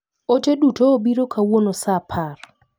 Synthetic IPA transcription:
ot͡ʃedutoːbiɾokʰawonosapʰar

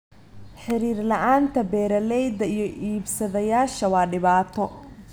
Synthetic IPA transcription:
ħɪɾiːrlɐʔaːnt̪ʰɐbɛːɾɐlɛjd̪ɐijɞʔiːbsɐðɐjaːʃɐwɑːɖɪβaːt̪ʰɔ

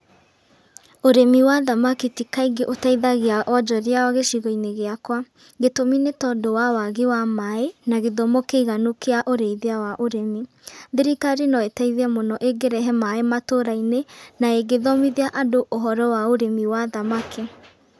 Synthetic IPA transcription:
oɾemiwaðamakitikaiɡeʔotaiðaɣeaʔɔd͡ʒɔɾeaɔɣeʃiɣɔineɣeakwa | ɣetominetɔdowawaɣewamaenaɣeðɔmokeiɣanokeaʔoɾeiðeawaʔoɾemi | ðiɾikaɾenɔetaiðeɛmonɔʔeɡeɾɛɦɛmaematoɾainenaeɡeðɔmiðeaʔadoʔoɦɔɾɔwaoɾemiwaðamakʰe

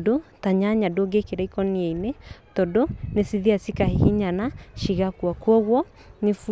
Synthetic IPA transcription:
dotaɲaɲadoɡekeɾaikɔniɛinetɔdonesiðiasikahehiɲanaʃiɣakwakwɔɣwɔ | nefu

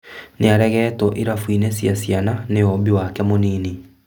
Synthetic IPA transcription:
neaɾɛɣɛːtɔʔiɾafwinesjasjananejɔβiwakɛmoniːni

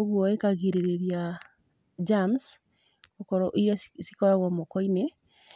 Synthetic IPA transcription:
oɣwɔekaɣeɾeɾeɾja | d͡ʒams | okɔɾɔʔiɾassikɔɾaɣɔmokɔine

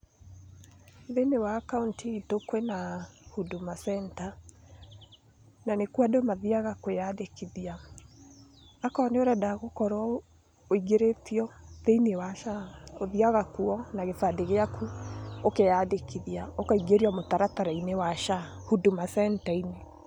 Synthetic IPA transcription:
ðenewaːkauntitokwɛnahudumasɛnta | nanekuadomaðiaɣakwejadekiðia | akɔːneoɾadaɣokɔɾa | oiɡeɾetiɔðeinewaʃaoðiaɣakuɔnaɣefadeɣeakʰuokejadekiðiaokaiɡeɾiamotaɾataɾainewaʃa | hudumasɛntaine

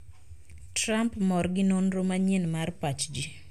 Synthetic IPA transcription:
tɾampmɔɾɡɪnonɾomaɲɪnmarpat͡ʃd͡ʒi

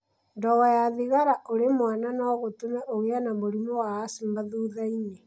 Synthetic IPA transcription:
ndɔɣɔjaðiɣaɾaʔoɾemwananɔɣotumɛʔoɣeanaβoɾimowaːsimaðuːðaine

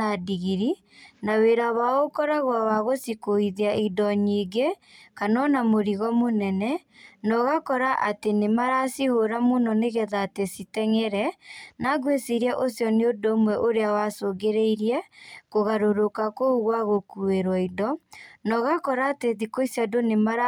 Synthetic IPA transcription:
adiɣiɾi | naweɾaβaɣokɔɾaɣwawaɣosikoiðeaidɔɲiːɡekanɔnamoɾiɣɔmonɛnɛnɔɣakɔɾaʔatenemaɾasihoɾamunɔneɣɛðaːtesitɛŋɛɾɛnaɡwesiɾiaʔosjɔneodomwɛʔoɾeawasoɡeɾeiɾiɛkoɣaɾoɾokakouɣwaɣokueɾwaidɔnɔɣakɔɾaːteðikoisjadonema

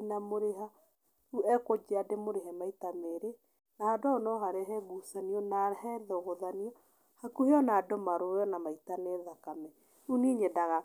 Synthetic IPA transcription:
namoɾeɦa | uɛkod͡ʒeademoɾeɦɛmaitameɾe | nahadaonɔɦaɾɛɦɛβusaniɔnahɛðɛɣoðaniɔ | hakuheɔnaːdɔmaɾojɔnamaitaneðakamɛ | uniɲɛdaɣa

